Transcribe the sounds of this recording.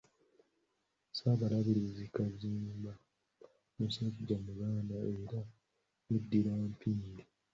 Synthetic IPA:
saβalaβiɾizikaziːmba | musaɟamuɡaːndaeɾa | mudːiɾaːmpʰiːndi

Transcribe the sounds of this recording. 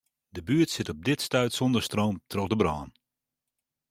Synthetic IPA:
dəbyːətsɪtɔb̚dɪtstœɥtsɔndərstroːmtʰrɔk̚dəbrɔːn

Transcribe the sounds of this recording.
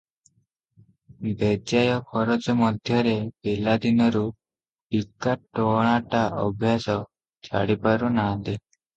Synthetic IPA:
d̪ɛd͡ʒajɔpʰɔɾɔd͡ʒɔmɔd̪ʱjɔɾepilad̪inɔɾu | ikːaʈːɔɽ̃aʈaʔɔ̰bʱjasɔ | t͡ʃʰa̰ɽipaɾunad̪e

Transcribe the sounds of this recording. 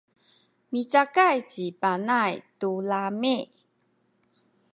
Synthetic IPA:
mit͡sakajt͡ɕipanajtulami

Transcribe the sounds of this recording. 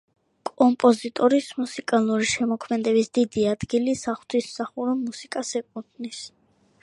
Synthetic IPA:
kʼɔmpʼɔzit̪ʼɔɾismusikʼalˠuɾiʃɛmɔkʰmɛd̪ɛbisd̪id̪iad̪ɡilisaχwt̪ʰismsaχuɾɔmːusikʼasɛkʼut̪ʰnis

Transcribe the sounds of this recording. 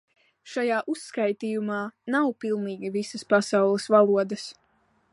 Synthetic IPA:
ʃajaːʔusːkajt̪iːjumɑːnawpilˠniːɡʲivisɐspasawlˠɨsvalˠuɔd̪ɐs

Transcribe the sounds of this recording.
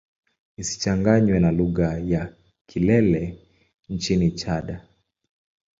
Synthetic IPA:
isi̥t͡ʃaŋɡaɲwɛnaluɣaja | kʰilɛlɛ | nt͡ʃinit͡ʃaɗa

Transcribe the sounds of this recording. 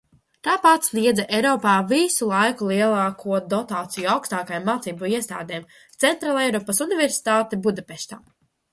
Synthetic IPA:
t̪aːpat̪slʲiɛd̪zɛʔɛjɾɔːpaːvisulˠajkulˠiɛlˠaːkʰuɔd̪ɔt̪aːt̪sijuawkst̪aːkajamːaːt̪siːbuiɛst̪a̰ːd̪ɛːm | t̪sɛnt̪ɾaːlˠɛjɾɔːpɐsunivɛɾsi̥t̪aːt̪ɛbud̪apɛʃt̪a̰ː

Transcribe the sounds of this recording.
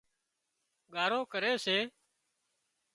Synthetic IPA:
ɠaːɾoːkəɾeːseː

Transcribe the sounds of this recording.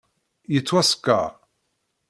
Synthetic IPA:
jət͡sːwæskːa̰

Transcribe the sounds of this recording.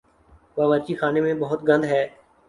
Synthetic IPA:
ʋaːʋəːt͡ʃiːxaːnemẽbəɦʊt̪ɡə̃nd̪ɦɛː

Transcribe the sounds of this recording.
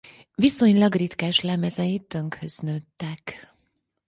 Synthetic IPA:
ʋiso̞ɲlɒɡrit̪kaːʃlɛmɛzɛjit̪ːø̞ŋkhøz̥nøt̪ːɛk

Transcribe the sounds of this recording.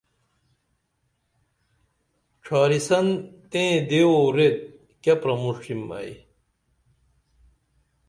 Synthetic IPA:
ʈ͡ʂʰaːɾisɐnt̪ẽːd̪eoɾet̪̚ | kɐpɾɐmuʂimɐ̰j

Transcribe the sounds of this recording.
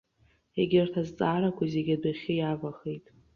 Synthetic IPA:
eɡʲɪrtʰazt͡sʼaːɾakʷʰazeɡʲadaχʲɪjavaχejtʼ

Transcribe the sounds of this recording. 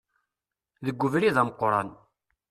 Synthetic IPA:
ðəɡʷːʊvɾiðæməqːɾˤɑ̰n

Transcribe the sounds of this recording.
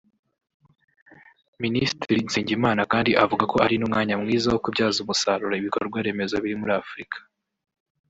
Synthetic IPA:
ministɾinsiːɲɟimaːnakaːndiʔavuɡako̞aɾinumŋaːɲamŋiːzawokubɟaːzumusaɾuɾaiβikoɾɡwaɾe̞me̞zaβiɾimuɾaːfɾikʰḁ

